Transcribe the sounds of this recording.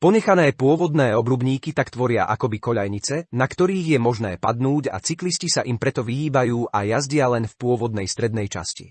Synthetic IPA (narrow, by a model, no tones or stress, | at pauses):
pɔɲɛxanɛːpʊɔʋɔd̪nɛːɔbɾubɲiːkit̪akt̪ʋɔɾɪa̰ʔa̰kɔbikɔʎajɲit͡sɛnakt̪ɔɾiːɣjɛmɔʒnɛ̰ːpad̪nuːɟa̰t͡sikliscisaʔimpɾɛt̪ɔʋiiːbajuːʔajazɟɪalɛnfpʊɔʋɔd̪̚nɛjst̪ɾɛd̪nɛjt͡ʃa̰scḭ